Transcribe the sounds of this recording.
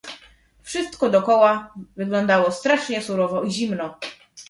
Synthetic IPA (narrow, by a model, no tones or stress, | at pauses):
fʂɘst̪kɔd̪ɔkɔwavɘɡlɔnd̪awɔst̪ɾaʂɲɛsuɾɔvɔiʑimnɔ